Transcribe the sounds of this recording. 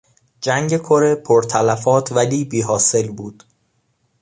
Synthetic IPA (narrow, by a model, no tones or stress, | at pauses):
d͡ʒæŋɡe̞kʰoɾe̞pʰoɾt̪ʰælæfɒːt̪ʰvæliːbiːɦɒːse̞lbuːd̪̥